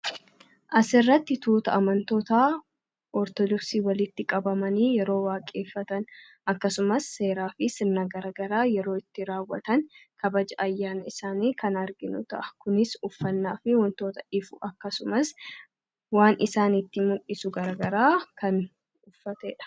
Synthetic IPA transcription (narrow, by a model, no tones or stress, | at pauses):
ʔɐsɪrːɐt̪ːɪt̪uːt̪ɐɐmɐnt̪o̞ːt̪aː | ʔɔɾt̪ɔd̪ɔksiːwɐlɪt̪ːɪkʼɐbɐmɐniːjɛɾo̞ːwaːkʼe̞ːfːɐt̪ɐn | ʔɐkːɐsʊmɐsːe̞ːɾaːfɪsɪnːaːɡɐɾɐɡɐɾaːjɛɾo̞ːɪt̪ːɪɾaːwːɐt̪ɐnkʰɐbɐd͡ʒɐʔɐjːaːnɐɪsaːniːkɐnɐɾɡɪnʊt̪ɐʔɐ̥kʊnɪsʊfːɐnːaːfɪwɐnt̪o̞ːt̪ɐ̥ʔɪfʊʔɐkːɐsʊmɐs | waːnʔɪsaːnɪt̪ːɪmʊʔɪsʊɡɐɾɐɡɐɾaːkɐn | ʊfːɐt̪eːᶑɐ̥